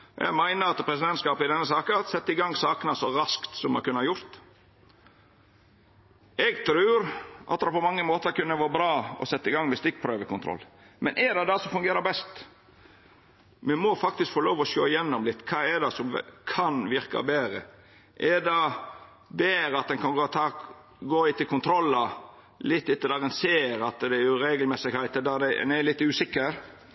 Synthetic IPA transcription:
jæ̰ɡmæɪnəɾɑt̪pʰɾɛsɪd̪ɛnt̪skɑːpɪd̪ɛnːəsɑːkəɑt̪sɛt̪ːəɪɡɑŋːsɑːknəsɔɾɑskt̪sɔmɑkʰʉnːəhɑɾjʊɾt̪ | ɛɡt̪ʰɾʉːɾʔɑ̰t̪d̪pɔmɑŋːəmoːt̪əɾkʉnːəʋoːbɾɑːɔ̰sɛt̪ːɪɡɑŋːmɛst̪ɪk̚pʰɾøːʋəkʊnɾɔ̰lː | mɛ̰nʔɛd̪ɑd̪ɑsɔfʉŋɡeːɾəbɛst̪ | mɛmɔfɑk̚t̪ɪskfɔɾloːʋɔʃoːɪjɛnːɔmlɪt̪ːkʰɑːɛd̪ɑsɔm̰kʰɑnʋɪɾkɑ̰beːɾə̰ | ʔɛdɑ | beːɾəɑt̪̚d̪ɛnkʰɑnɡoːt̪ʰɑːk | ɡoːɪt̪əlkʊnt̪ʰɾɔlːɑ | lɪt̪ːɪt̪ːəd̪æɾɛnseːɾɑt̪d̪ɛæɾjʊɾeːɡəlmɛsɪɡhæɪt̪əd̪æd̪ɛɛ̰nɛlɪt̪ːʉːsɪkːəɾ

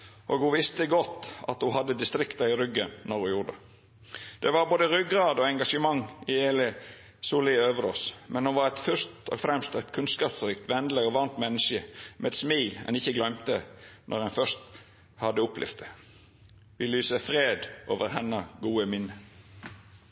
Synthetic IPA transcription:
ʔoːɡhuʋɪst̪əɡɔt̪ːɑ̰t̪hʊhɑd̪ːəd̪ɪst̪ɾɪkt̪ɑɪɾʏɡənnɔɾhʉjʊʁd̪ə | d̪̥ɛʋɑɾboːd̪əɾʏɡʁɑːd̪oːɛŋɡɑʃəmɑŋɪeːlə | suːlɪøːʋəɾɔsmʔɛnhʊnʋɑɾɛt̪fʏʂt̪o̰ːɡfɾɛmst̪æɪt̪kʰʉnskɑːpsɾiːkt̪ʋɛnd̪ləɔʋɑnt̪mɛnːəʃəmʔɛɛt̪smiːlɛ̰nɪçːəɡlœmt̪ənʔɔ̰ʁɛnfœʂt̪ | hɑd̪ːəʊpʰlʔɪ̰fd̪ə | ʋɪlyːsəfʁeːd̪ʔo̰ːʋəɾhɛnəɡuːəmɪnːə

